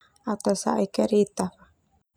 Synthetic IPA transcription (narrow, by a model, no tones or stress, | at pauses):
at̪asa̰ʔekeɾit̪aɸḁ